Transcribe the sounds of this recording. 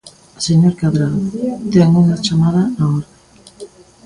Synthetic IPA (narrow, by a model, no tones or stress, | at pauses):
seɲoɾkaβɾaðt̪ɛŋuŋat͡ʃamaðaaoɾa